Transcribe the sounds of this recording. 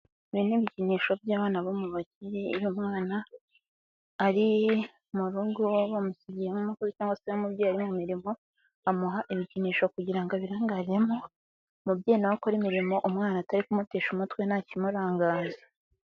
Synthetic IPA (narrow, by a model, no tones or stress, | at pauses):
βiniβiciniːʃo̞bjaːβaːnaβomuβaciɾeiɾumŋaːna | ɾi | muɾuɡoβamusibɟijemumukuɾucaːŋɡwasehamubɟoaɾimumiɾimo̞ | amuɦaʔiβiciniːʃo̞kuɟiɾaŋɡoβiɾaːŋɡaɾiɾe̞mo̞ | mubɟeːnaokoɾimiɾimo̞ʔumŋaːnataɾikumuteːʃumutwenacimuɾaːŋɡaːze̥